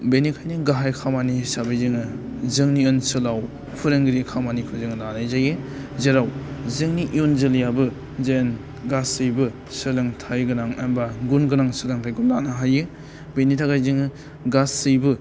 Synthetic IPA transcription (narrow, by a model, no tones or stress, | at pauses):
benikʰajnɯɡaɦajkʰamanisabajzɯŋɯ | zɯŋniɯnsɯlaw | pʰɯɾeŋɡɾikʰamanikʰɯzɯŋlanajzajɯ | zeɾawzɯŋniʔiunzɯljabɯ | zen | ɡasɯjbɯ | sɯlɯŋtʰajɡɯnaŋḛmbaɡunɡɯnaŋsɯlaŋtʰajɡulanaɦajɯ | benitʰaɡajzɯŋɯ | ɡasɯjbɯ